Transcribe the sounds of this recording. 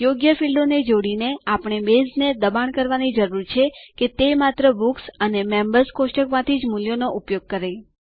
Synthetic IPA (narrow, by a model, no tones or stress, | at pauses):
joɡjəfilɖoned͡ʒoɽineapɳ̃ebezned̪əbaɳkəɾʋanid͡ʒəɾuɾt͡ʃʰeket̪emat̪ɾəbuksənemembəɾskosʈəkmãt̪ʰid͡ʒmuljonoʔupjoɡ̚kəɾe